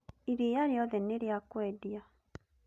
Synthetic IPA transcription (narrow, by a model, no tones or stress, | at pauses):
iɾijaɾjɔðɛneɾjakwɛdia